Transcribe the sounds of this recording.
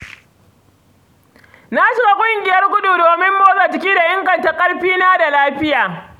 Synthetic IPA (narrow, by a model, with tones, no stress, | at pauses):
na˦ʃɪ˦ɡa˦kʷʼʊ˦ŋɡʲɪ˨jɐ˦rkʷʊ˦ɗuː˨doː˨mɪ˦mːoː˦zɐ˨t͡ʃɪ˨˦kʲiː˦da˨ʔɪ˦ŋɡɐ˨nta˦kʼɐ˦ɽɸiː˦naː˦da˨laː˦ɸɪ˦jaː˨